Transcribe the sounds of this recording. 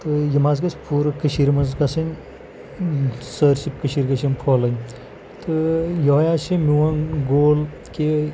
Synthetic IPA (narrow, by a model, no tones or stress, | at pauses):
t̪ɨjɐmazɡɐspʰuːɾɨkɐʃiɾmɐzkɐsɐnʲ | səːɾsip̚kɐʃiɾɡɐʃinpʰoːlɐnʲ | t̪ɨjojaːʃimiwɐnɡoːl | ke